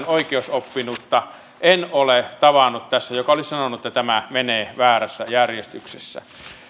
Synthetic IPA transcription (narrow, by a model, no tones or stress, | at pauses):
noikeosopːinut̪ːɑ | ʔenolet̪ɑʋɑnːˑut̪t̪æsːæjokɑolissɑnonːˑuet̪ːæt̪æmæmeneːʋæːræsːæjærjest̪yksesːæ̰